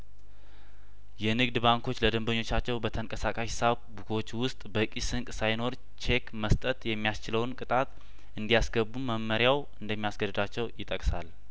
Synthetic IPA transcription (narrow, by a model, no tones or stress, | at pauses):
jɛnɨɡd̪baŋkʰo̞t͡ʃːləd̪əmbəɲːo̞t͡ʃːat͡ʃːɛwbət̪ʰəŋkʼəsakʼaʃsaβbukʰo̞t͡ʃːwʊst̪ʼbəkʼisɨŋkʼsajno̞ɾ | t͡ʃʰekməst̪ʼət̪jɛmːijast͡ʃɪləwnkʼɨt̪ʼat̪ | ʔɨnd̪ijasɡəbːuməmːəɾjaw | ɨnd̪əmːijasɡəd̪ɨd̪at͡ʃːɛwjɪt̪ʼəkʼsal